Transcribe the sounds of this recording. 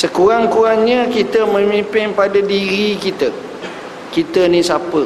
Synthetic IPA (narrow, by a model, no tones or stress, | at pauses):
səkuɾaŋkuɾaŋɲə̃kit̪əmə̃mimpɪnpadadiɾikit̪ə | kit̪ənĩsapə